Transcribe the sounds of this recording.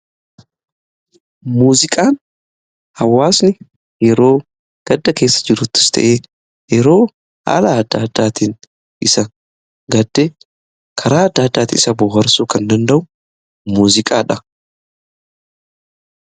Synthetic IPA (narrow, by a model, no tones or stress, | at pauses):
muːzɪkʼaːn | hɐwːaːsnɪ | jɛɾo̞ː | ɡ̥ɐd̪ːɐke̞ːsːɐ̥d͡ʒɪɾʊt̪ːɪ̥st̪ʰɐ̰ʔeː | jɛɾo̞ː | ha̰ːlɐːd̪ːaːd̪ːaːt̪iːn | ʔɪsɐ | ɡɐd̪ːeː | kʰɐɾaːɐd̪ːaːd̪ːaːt̪iɪsɐbʊɦɐɾsuːkɐnd̪ɐnd̪ɐʔʊ | muːzɪkʼaːᶑɐ